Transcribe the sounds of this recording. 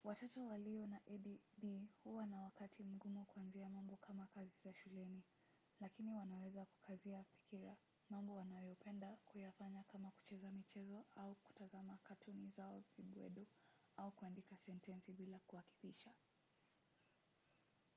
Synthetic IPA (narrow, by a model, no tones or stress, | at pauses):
watɔtɔwaliɔnaʔɛɗibihuwanawakatʰim̩ɡumukuanziamambɔkʰamakazizaʃulɛni | lakiniwanawɛzaku̥kʰaziafi̥kiɾa | mambɔwanajɔpʰɛndakujafaɲakamaku̥t͡ʃɛzamit͡ʃɛzɔauku̥tazamakatʰunizaɔviɓwɛ̰ɗɔ | aukuandikasɛntɛnsiɓilakuhaki̥piʃa